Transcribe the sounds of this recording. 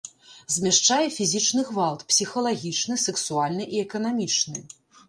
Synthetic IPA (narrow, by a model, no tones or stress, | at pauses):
zʲmʲɛʂt͡ʂajɛfʲizʲit͡ʂnɨɣvalˠt̪psʲixɐlˠaɣʲit͡ʂnɨsɛksualʲnɨʔiɛkɐnamʲit͡ʂnɨ